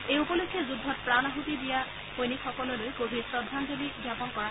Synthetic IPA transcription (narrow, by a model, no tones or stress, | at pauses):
ejupɔlokʰːjɔzudʱːɔt̚pɹanaɦutidija | hojnikxɔkɔlɔlojkoɦiɹsɹɔdʱːandʱebiɡjapɔnkɔɹa